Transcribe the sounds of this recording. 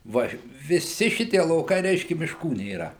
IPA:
ˈʋɐ ʋʲɪˈsʲɪ ˈʃʲɪtʲiɛ lˠɐʊˈkɐɪ ˈrʲɛɪʃʲkʲɛ mʲɪʃˈkuː nʲeːˈrɐ

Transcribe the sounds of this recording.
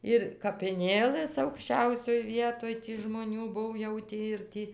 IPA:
ɪr kɐpʲɪˈnʲeːlˠɘs ɐʊkʃʲˈt͡ʃʲɛʊsʲoːj ˈʋʲiɛtoːj tʲɪ ʒmoːˈnʲuː ˈbʊw jɛʊ ˈtʲiː ɪr ˈtʲiː

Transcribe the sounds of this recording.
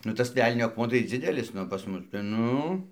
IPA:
nʊ ˈtɐs ˈʋʲɛlʲnʲoː ɐkˈmuɔ tɐɪ ˈd͡zʲɪdʲɛlʲɪs ˈnʊ pɐs ˈmʊs tʲɛn ˈnʊ

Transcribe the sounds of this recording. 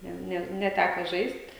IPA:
ˈnʲɛ ˈnʲɛ nʲɛˈtʲækoː ˈʒɐɪsʲtʲ

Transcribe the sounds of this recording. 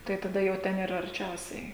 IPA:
tɐɪ tɐˈdɐ jɛʊ ˈtʲɛn ˈiːrɐ ɐrʲˈt͡ʃʲɛʊsʲɛɪ

